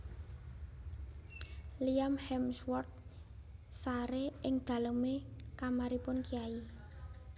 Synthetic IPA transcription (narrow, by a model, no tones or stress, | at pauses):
liamhɛmswɔrt̪̚ | saɾeʔɪŋd̪̥a̤ləmekamaɾipʊnkiai